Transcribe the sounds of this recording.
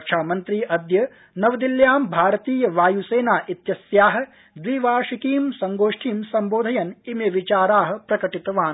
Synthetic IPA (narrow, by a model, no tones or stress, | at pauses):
kʃʰaːmɐnt̪ɾiːʔɐd̪jɐ | nɐʋɐd̪iljaːmbʱaːɾɐt̪iːjɐʋaːjuseːnaːʔit̪jɐsjaːɦɐ̆ | d̪ʋiːʋaːʃikiːmsɐŋɡoːʂʈʰiːmsɐmboːd̪ʱɐjɐnimjɐʋit͡ʃaːɾaːɦɐ̆pɾɐkɐʈit̪ɐʋaːn